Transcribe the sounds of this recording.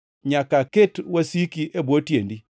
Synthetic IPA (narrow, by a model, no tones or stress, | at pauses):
ɲakaketwasikiʔebwotjendi